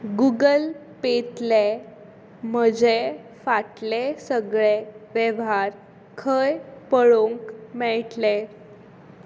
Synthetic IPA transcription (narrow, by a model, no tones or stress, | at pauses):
ɡuɡəl | pet̪le | m̤əd͡ʑe | faʈlesəɡɭeʋjəʋɦaɾ | kʰəjpəɭoŋkmɛɭʈle